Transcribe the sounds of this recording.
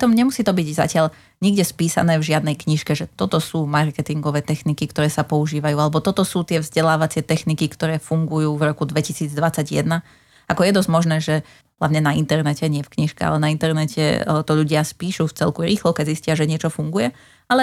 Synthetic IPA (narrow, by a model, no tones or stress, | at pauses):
pɾit̪ɔmɲɛmusiːt̪ɔbiɟza̰cɪaʎ | ɲiɡɟɛspiːsa̰nɛːvʒɪad̪nɛjkɲiʃkɛʒɛt̪ɔt̪ɔsuːmaɾkɛt̪iŋɡɔʋɛːt̪ɛxnikikt̪ɔɾɛːsapɔuʒiːʋajuːalɛbɔt̪ɔt̪ɔsuːt̪ɪɛvzɟɛlaːʋat͡sɪɛt̪ɛxnikikt̪ɔɾɛːfuŋɡujuːvɾɔkud̪ʋɛcisiːd͡zd̪ʋat͡sːaɟjɛ̰d̪na | akɔjɛd̪ɔzɟmɔʒnɛːʒɛ | ɦla̰ʋɲɛnaint̪ɛɾnɛcɛɲɪɛfkɲiʃkɛ̰a̰lɛnaint̪ɛɾnɛcʰɛ̰t̪ɔʎuɟɪaspiːʃuft͡sɛlkuɾʔiːxlɔkɛɟziscɪaʒɛɲɪɛt͡ʃɔfuŋɡujɛ | alɛ